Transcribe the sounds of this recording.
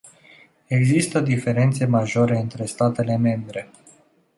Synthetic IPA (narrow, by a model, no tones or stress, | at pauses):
e̞ɡzist̪əd̪ife̞ɾe̞nt̪se̞maʒo̞ɾe̞ɨnt̪ɾe̞st̪at̪e̞le̞me̞mbɾe̞